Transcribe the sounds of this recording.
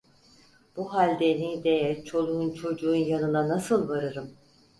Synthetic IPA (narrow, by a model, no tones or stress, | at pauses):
b̥uɦalʲd̪enid̪ejɛt͡ʃʰo̞lˠuunt͡ʃʰo̞d͡ʒuunjanɯnanasɯlˠvaɾɯɾɯm